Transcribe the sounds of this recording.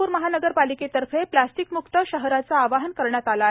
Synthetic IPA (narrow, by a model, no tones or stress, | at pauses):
uːɾməɦanəɡəɾpaliket̪əɾfʰeplasʈikmukt̪əɕəɦɾat͡saːʋaɦənkəɾɳjat̪ala